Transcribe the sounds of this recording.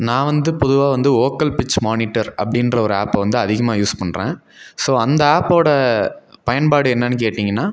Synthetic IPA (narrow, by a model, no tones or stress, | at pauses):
nãːʋɐnd̪ɯpɔðɯʋaːʋɐnd̪ɯoːkɐlpɪt͡ʃːmaːnɪʈːɐɾɐpːɐɽɪnrɐɔɾɯa̰ːpʋɐnd̪ɯɐðɪɣɐmaːjuːspɐɳːɾḛ̃ː | soːɐnd̪ɐaːpoːɽɐpɐjɐnpaːɽɯɛnːɐnːɯk̬eːʈːiːŋɡɐnːaː